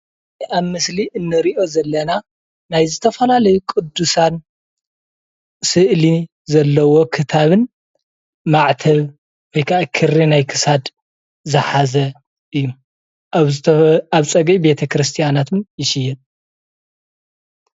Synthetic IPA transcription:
ʔaβmɨsliʔɨnːɨɾiʔo̞zɐlːɐna | najzɨt̪ʰɐfɐlalɐjukʼɨd̪ːusan | sɨʔli | zɐlːɐwo̞kʰɨt̪ʰaβɨn | maʕt̪ʰɐβ | wɔjkʰaʔakʰɨrːinajkʰɨ̥sad̪ | zɨħazɐ | ʔɨjːu | ʔaβzt̪ʰaβt͡sʼɐɡibe̞t̪ʰɐkɾɨst̪ʰijanat̪ʰɨnjɪʃɪjːɛn

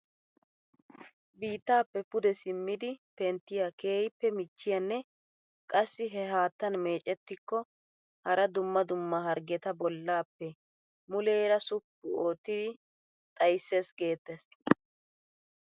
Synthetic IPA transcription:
biːt̪ːaːpːɛpʊd̪ɛsɪmːɪd̪ɪpɛnt̪ːɪjake̞ːjpːɛmɪt͡ʃːɪjɐnːɛ | kʼɐsːɪɦɛɦaːt̪ːɐnme̞ːt͡ʃʼːɛt̪ːɪkːɔ | hɐɾɐd̪ʊmːɐd̪ʊmːɐɦɐɾɡɛt̪ɐbɔlːaːpːɛ | mʊleːɾɐsʊpːʊoːt̪ːɪd̪ɪ | t̪ʼɐjsːeːsɡe̞ːt̪ːɛs

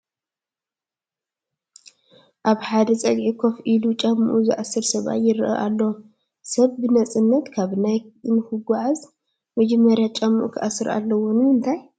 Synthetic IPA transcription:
ʔaβħad̪ɐt͡sʼɐɡʕikʰo̞fʔilut͡ʃʼɐmːɨʔuzɨ̰ʔasɨɾsɐβa̰jɪɾʔɐ̰ʔalːo | sɐβbɨnɐt͡sʼɨnːɐt̪kʰaβnajnhɨɡʷaʕaz | mɐd͡ʒɛmːɐɾjat͡ʃʼɐmːuʔṵkʰɨʔasɨɾa̰lːɐwɔnumɨnt̪ʰaj

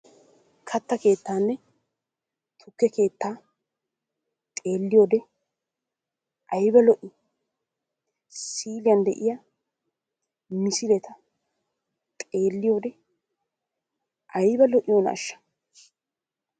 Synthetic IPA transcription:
kʰɐt̪ːɐke̞ːt̪ːaːnːɛ | t̪ʰʊkːɛke̞ːt̪ːaː | t̪ʼe̞ːlːɪjoːd̪ɛ | ʔɐjbɐlɔʔɪ | siːlɪjɐnd̪ɛʔɪjɐ | mɪsɪlɛt̪ɐ | t̪ʼe̞ːlːɪjoːd̪ɛ | ʔɐjbɐlɔʔɪjoːnɐɐ̰ʃːɐ̥

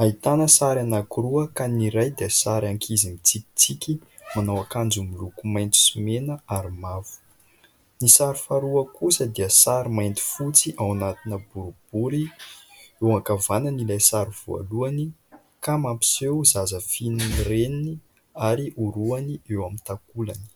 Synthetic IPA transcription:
aɦit̪anəsaɾanakuɾuəkaniɾajd̪əsaɾaŋkʰizimit͡siki̥t͡sikʲi | manawakand͡zumilukumajnt̪u̥simenəaɾimavu̥ | nisaɾifaɾuəkusəd̪iəsaɾimajnt̪i̥fut͡siʔawnat̪inəbuɾub̥uɾi | ewakavanənilajsaɾiv̥ua̰luani | kamampi̥sewzazəfininirenini | aɾiʔuɾuaniewamint̪akulani̥

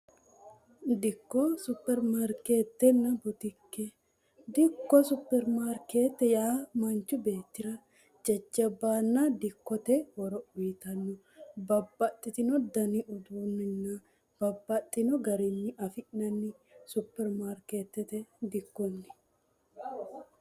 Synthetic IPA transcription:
d̪ɪkːɔsʊpːɛɾmaːɾkeːt̪ːɛnːɐbɔt̪ɪkːɛ | d̪ɪkːɔsʊpːɛɾmaɾkeːt̪ːɛjaːmɐnt͡ʃːʊbe̞ːt̪ːɪɾɐ | d͡ʒɐd͡ʒːɐbaːnːad̪ɪkːɔt̪ɛwɔɾɔbiːt̪ɐnːʊ | bɐbːɐt̪ʼːɪt̪ɪnɔd̪ɐnɪʔʊd̪uːnːɪnːɐ | b̥ɐbːɐt̪ʼːɪnɔɡɐɾɪnːɪʔɐfɪʔnɐnːɪ | sʊpːɛɾmaːɾkeːt̪ːɛt̪ɛd̪ɪkːɔnːɪ̥

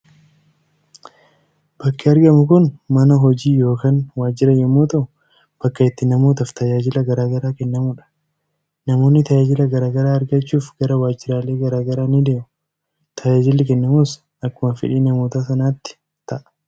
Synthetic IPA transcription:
b̥ɐkːɪɐɾɡɐmʊkʊnmɐnɐɦɔd͡ʒiːjo̞ːkaːnwaːd͡ʒːɪɾɐjɛmːoːt̪ɐʔʊ | b̥ɐkːɐɪt̪ːɪnɐmoːt̪ɐft̪ɐd͡ʒaːd͡ʒɪlɐɡɐɾaːɡɐɾaːkɛnːɐmʊᶑɐ̥ | nɐmo̞ːnːɪt̪ɐd͡ʒaːd͡ʒɪlɐɡɐɾaːɡɐɾaːɐɾɡɐt͡ʃːuːfɡɐɾɐwaːd͡ʒːɪɾaːle̞ːɡɐɾaːɡɐɾaːnɪd̪eːmʊ | t̪ʰɐd͡ʒaːd͡ʒɪlːɪkɛnːɐmuːs | ɐkːʊmɐfɪ̰ᶑiːnɐmoːt̪aːsɐnaːt̪ːɪ̥ | t̪ɐʔɐ̥

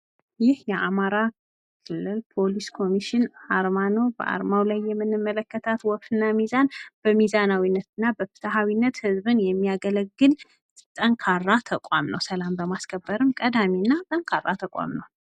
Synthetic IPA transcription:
jɪhjɛʔamaɾa | kʰɨlːɨlpʰo̞liskʰo̞miʃɪnaɾmano̞bə̰ʔa̰ɾmawlajːɛmːɨnːɨmːələkːət̪ʰat̪wɔbt̪ɨnːamizanb̥əmizanawinːət̪ʰɨnːabəfɨ̥t̪ʰaɦawinːət̪hɨzbɨnjɛmːijaɡələɡːɨl | t̪ʼəŋkʰarːat̪ʰəkʼamnə̰wsəlambəmaskʰəbːəɾɨmkʼəd̪aminːat̪ʼəŋkʰarːat̪ʰəkʼa̰mnəw

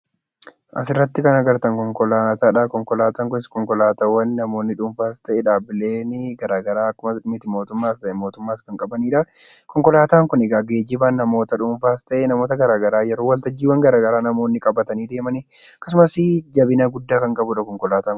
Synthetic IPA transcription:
ʔɐ̰sɪrːɐt̪ːɪkɐnɐɡɐɾt̪ɐŋkɔŋkɔlaːt̪aːᶑaːkɔŋkɔlaːt̪aːŋkʊnɪskɔŋkɔlaːt̪awɐnːɐmo̞ːnːɪᶑʊɱfaːst̪ɐʔeːᶑaːbɪle̞ːnɪɡɐɾaːɡɐɾaːɐkːʊmɐmɪt̪ɪmo̞ːt̪ʊmːaːst̪ɐʔɛmoːt̪ʊmːaːskɐŋkʼɐbɐniːᶑɐ | kɔŋkɔlaːt̪aːŋkʊnɛɡaːɡeːd͡ʒɪbaːnːɐmo̞ːt̪ɐᶑʊɱfaːst̪ɐʔenɐmo̞ːt̪ɐɡɐɾaːɡɐɾaːjɛɾoːwɐlt̪ɐd͡ʒːiːwːɐŋɡɐɾaːɡɐɾaːnɐmo̞ːnːɪkʼɐbɐt̪ɐniːd̪e̞ːmɐniː | kːɐs̬ʊmɐsɪd͡ʒɐbɪnaɡʊd̪ːaːkɐŋkʼɐbʊᶑɐkɔŋkɔlaːt̪aːŋ

